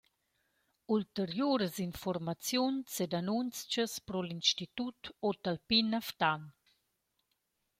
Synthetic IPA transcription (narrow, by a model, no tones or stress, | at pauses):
ult̪əɾjoːɾəzinfɔrmat͡sjunsed̪anunt͡st͡ʃəspɾɔlinʃt̪it̪ut̪ot̪alpinaft̪an